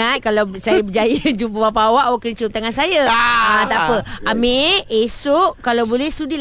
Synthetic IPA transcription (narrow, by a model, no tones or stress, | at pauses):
at̪̚kalawsajabəd͡ʒajad͡ʒumpəbapaːwaʔwaʔkənt͡ʃumt̪aŋansajaãt̪apəameesoʔkalawbolɛhsudil